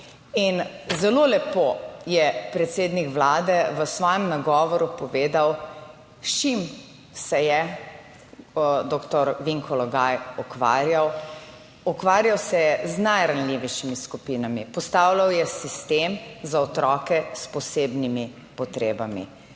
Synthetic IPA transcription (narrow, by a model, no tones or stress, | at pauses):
inzɛlolɛpojɛpɾɛt̪seːd̪nikʋlaːd̪ɛʋəsʋɔːjɛmnaɡɔːʋɔɾupɔʋeːd̪aw | ʃim | sɛjɛ | d̪okt̪ɔɾʋiŋkɔlɔɡajɔkʋa̰ːɾjaw | ɔkʋaːɾjawsɛjɛznajɾanliʋɛʃimiskupiːnamipɔst̪awlawjɛsist̪emzaɔt̪ɾɔːkɛspɔseːbnimi | pɔt̪ɾeːbamḭ